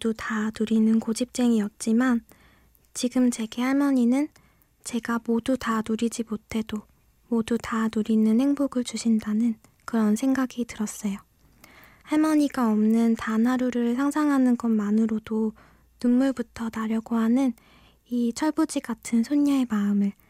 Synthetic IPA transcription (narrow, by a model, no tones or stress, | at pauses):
odutanuɾinɯnkod͡ʑip̚t͡ɕ͈e̞ŋiʌt̚t͡ɕ͈iman | t͡ɕiɡɯmt͡ɕe̞ɡe̞haɭmʌɲinɯn | t͡ɕe̞ɡamodutanuɾid͡ʑimotʰe̞do | modutanuɾinɯnhe̞ŋboɡɯɭt͡ɕuɕʰindanɯn | kɯɾʌnsʰe̞ŋɡaɡitɯɾʌs͈ʌjo | haɭmʌɲiɡaʌmnɯntanɦaɾuɾɯɭsʰaŋsʰaŋɦanɯnɡʌnmanɯɾodo | nunmuɭbutʰʌtaɾjʌɡoɦanɯn | it͡ɕʰʌɭbud͡ʑiɡatʰɯnsʰoɲːae̞maɯmɯɭ